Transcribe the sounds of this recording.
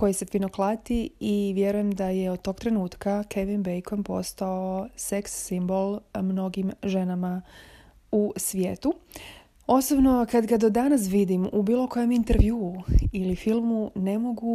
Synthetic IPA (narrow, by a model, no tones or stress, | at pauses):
ko̞jisefinoklˠat̪iiʋje̞ɾuje̞md̪ajeod̪̚t̪o̞ːɡ̥t̪ɾe̞nuːt̪kakʰeʋinbejkompo̞̰st̪aose̞ksːimbo̞lˠmno̞ɡimʒe̞nama | usʋjeːt̪u | o̞sobno̞kad̪ɡad̪o̞d̪anasʋid̪imubiːlˠo̞ko̞je̞mint̪eɾʋjuːilifilˠmune̞mo̞ɡu